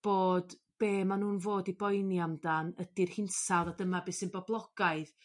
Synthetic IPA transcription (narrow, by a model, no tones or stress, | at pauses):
b̥oːd | b̥eːmanuːnvoːdibɔjnjamdanədirhɪnsawðadəmabɪsɪnbɔblˠɔɡ̥aɨð